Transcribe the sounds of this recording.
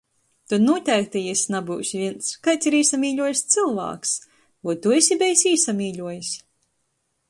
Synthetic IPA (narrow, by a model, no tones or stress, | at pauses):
t̪ud̪nuɔt̪ʲæɾt̪ɛjɛsʲnabuːsʲvʲiɛnskajt̪sʲiɾiːsamʲiːʎʲuɔjsʲt̪sɨlˠva̰ːks | uɔt̪uesʲibʲɛjsiːsamʲiːʎʲuɔjisʲ